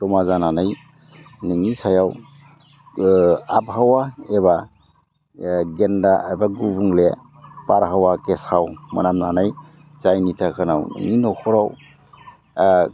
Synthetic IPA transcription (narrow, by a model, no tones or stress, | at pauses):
tɔmazananaj | nɯŋisajaw | ap̚ɦawaeba | ɡendabaɡubuŋle | paɾɦawakesawma̰namnanaj | zajnitʰakʰanawnɯ̰ŋinɔkʰɔɾaw